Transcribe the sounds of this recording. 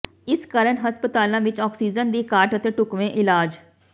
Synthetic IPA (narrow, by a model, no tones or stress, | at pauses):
ɪskəɾəɳɦəspət̪aːlãːʋɪt͡ʃɔːksiːd͡ʒənd̪iːkaːɾʈət̪eːʈʊkʋẽːʔɪlaːd͡ʒ